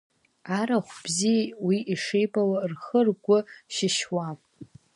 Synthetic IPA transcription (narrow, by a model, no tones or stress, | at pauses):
aɾaχʷb̥zijwiʔiʂejbʼawarχərɡʷʊʃɪʃwapʼ